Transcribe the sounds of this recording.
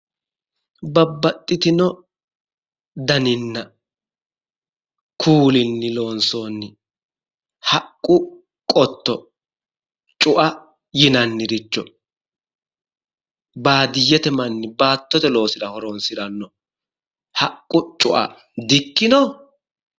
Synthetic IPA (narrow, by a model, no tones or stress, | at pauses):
bɐbːɐt̪ʼːɪt̪ɪnɔ | d̪ɐnɪnːɐ | kʰuːlɪnːɪlo̞ːnsoːnːɪ | hɐkʼːʊ | kʼɔt̪ːɔ | t͡ʃʼʊʔɐ | jɪnɐnːɪɾɪt͡ʃːɔ | baːd̪ɪjːɛt̪ɛmɐnːɪbaːt̪ːɔt̪ɛlo̞ːsɪɾɐhɔɾonsɪɾɐnːɔ | hɐkʼːʊt͡ʃʼʊʔɐ̰ | d̪ɪkːɪnɔ